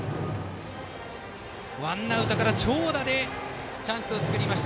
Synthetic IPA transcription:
βanːaɯ̟t̪akaɾat͡ɕo̞ːd̪aɾe̞ | t͡ɕãɰ̃sɨot͡sɨ̥kɯ̟ɾʲimaɕi̥t̪

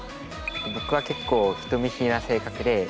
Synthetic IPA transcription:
ebo̞kɯ̟βake̞kːo̞ːçi̥t̪omʲiɕinase̞ːkakɯ̟d̪e̞

